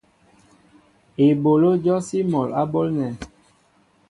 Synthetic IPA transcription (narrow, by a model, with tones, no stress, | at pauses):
e˨bo˨lo˦d͡ʒɔ˦si˦mɔ˨la˦bo˦lnɛ˨